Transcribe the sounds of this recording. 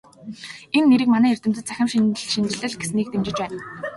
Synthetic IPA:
enːeɾɘ̆kmanæːer̥ʲt̪ɘ̆mt͡s̪ɘ̆t̪t͡sʰæxʲɪ̆mʃinɮʃint͡ɕɪ̆ɮɘ̆ɮɡesniːk̚t̪emt͡ɕɪ̆t͡ɕpæːn

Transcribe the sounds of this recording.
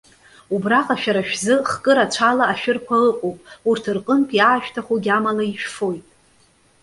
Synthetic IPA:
ubraqʼaʃᶣaɾaʃᶣzɨχkʼɨɾat͡ʃʷʰalaːʃᶣʊrkʷʰaɨqʼowpʼurtʰɨrqʼəmpʰʼiaːʃᶣtʰaχuɡʲamalaiʃᶣfo̞jtʼ

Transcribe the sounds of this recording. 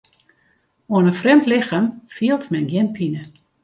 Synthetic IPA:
oənənfrɛmtlɪxamfiəlˠtmɛnɡjɪnpʰinə

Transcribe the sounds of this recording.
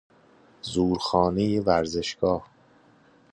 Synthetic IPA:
zuːɾxɒːnejevæɾze̞ʃɡ̥ɒːh

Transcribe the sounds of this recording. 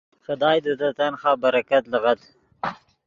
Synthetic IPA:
xʊd̪ɑːjd̪ət̪at̪anxɑːbaɾakat̪ləɣad̪

